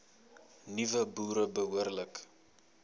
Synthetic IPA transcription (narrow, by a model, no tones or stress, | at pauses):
nivəbuːɾəbəɦuərlək